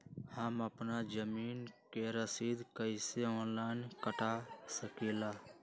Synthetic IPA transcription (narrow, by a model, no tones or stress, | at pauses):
həməpnad͡ʒəmiːnkeɾəsiːd̪kəɪseɔ̃ːnlaːɪnkəʈasəkeːla